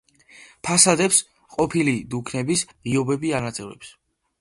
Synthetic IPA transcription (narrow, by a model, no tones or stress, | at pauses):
pʰasad̪ɛps | qʼɔpʰilid̪ukʰnɛbisʁiɔbɛbianat̪sʼɛvɛ̰ps